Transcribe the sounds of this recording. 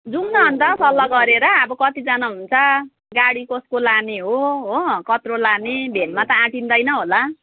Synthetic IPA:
d͡zumnʌɦʌnd̪ʌsʌlːʌɡʌɾeɾʌːbʌkʌt̪id͡zanaɦunt͡sʰʌ | ɡaɽikoskolaneɦoɦokʌt̪rolanebʱenmat̪ʌãʈind̪ʌjnʌɦola

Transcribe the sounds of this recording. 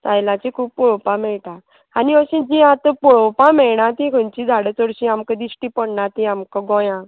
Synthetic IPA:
t̪ajlãt͡ɕĩkʰuːppɔɭɔwpãmɛɭʈã | aniəɕĩd͡ʑiãt̪əpɔɭɔwpãmɛɭɳat̪ĩkʰənt͡ɕid̪ʱaɽət͡sɔɽɕĩamkad̪isʈipəɽɳat̪ĩamkaɡɔ̃jã

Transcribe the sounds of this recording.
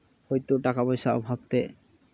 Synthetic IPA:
ojt̪uʈakabɔjʃaɔ̰bʱab̚t̪e

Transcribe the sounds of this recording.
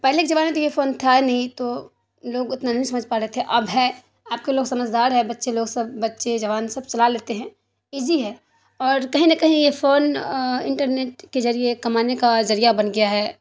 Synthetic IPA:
pɛɦleked͡ʒɐʋaːnɦɛ̃t̪ojefoːnt̪ʰaɛnɐɦĩt̪o | loːɡɪt̪nanɐɦĩsɐməd͡ʒpaːɾɐɦet̪ʰɛʔɐbɦɛ | aːp̚keloːɡsɐməd͡ʒd̪aːɾɦɛbɐtːʃeloːɡsɐb̚ːɐtːʃed͡ʒɐʋaːnsɐb̚t͡ʃɐlaleːt̪eɦɛ̃ː | iːziɦɛː | ɔːɾkɐɦĩnɐkɐɦĩjefoːnɪ̃ɳʈəɾneːʈkezɐɾiekɐmaːnekazɐɾijabɐnɡɐjaɦɛː

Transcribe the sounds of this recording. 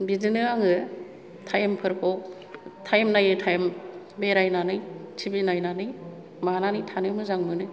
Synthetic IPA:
bizɯnɯaŋɯ | tʰajmpʰɯɾkʰowk | tʰajmnajɯtʰajm | beɾajnanɯjtʰibinajnanɯj | mananɯjtʰanɯmɯzaŋmɯnɯ

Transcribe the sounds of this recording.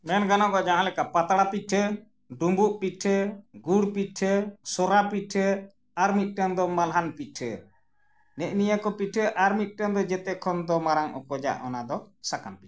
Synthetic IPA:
mɛnɡanaɡɔd͡ʒaɦãlɛkapat̪aɽapit̪̚ʈʰə | ɖumbuʔpit̪ʈʰəɡuɽpiʈʰəsɔɾapiʈʰə | aɾmit̪̚ˀʈɛnd̪ɔmalɦanpit̪̚ʈʰə̰ | nɛʔnijakɔpiʈʰəʔaɾmit̪̚ˀʈɛnd̪ɔd͡ʒɛt̪ɛkʰɔnd̪ɔmaɾaŋʔɔ̰kɔd͡ʒa̰ʔɔnad̪ɔsakanpit̚

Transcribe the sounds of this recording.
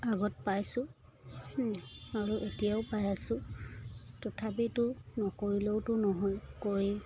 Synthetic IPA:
aɡɔt̚pajsʊ̃ | aɹuʔetijaʊpajasʊ̃ | tɔtʰap̬itʊnɔkoɹiloʊtʊnɔɦɔjkoɹi

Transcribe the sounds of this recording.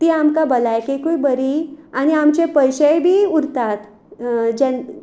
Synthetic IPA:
t̪iːamkabəlajkekujbəɾiañiamt͡ɕepəjɕəjbʱiːuɾt̪at̪ | d͡ʑɛn

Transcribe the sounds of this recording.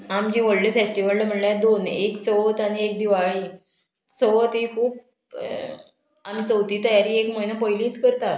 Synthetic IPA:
amd͡ʑĩːʋəɭɖifesʈiʋəlləm̤əɳljad̪onekt͡səʋət̪aɽ̃iek̚d̪iʋaɭiː | t͡səʋt̪ɦiːkʰuːp̚ | am̤iːt͡səwt̪iːt̪əjaɾiːekməinəpojlĩːt͡skəɾt̪a

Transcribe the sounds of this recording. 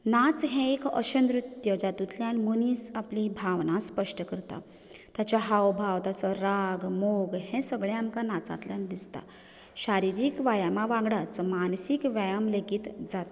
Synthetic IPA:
nat͡sɦɛ̃ekə̰ɕənd̪ɾut̪jəd͡zat̪ut̪ʰljanmuniːsaplibʱaʋnãspəʂʈəkəɾt̪a̰ | t̪jat͡ɕaɦawbʱawt̪asɔɾaɡmoɡhɛ̃səɡɭeamkanat͡sa̰t̪ljand̪ist̪a̰ | ɕaɾiɾiːkʋajamaʋãɡɽat͡smansikʋajəmləɡit̪d͡zat̪

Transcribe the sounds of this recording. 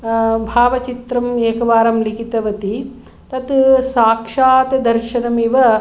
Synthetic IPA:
bʱaːʋɐt͡ʃit̪ɾɐmeːkɐʋaːɾɐmlikit̪ɐʋɐt̪i | t̪ɐt̪saːkʂaːt̪ɐd̪ɐɾʃɐnɐmiʋɐ

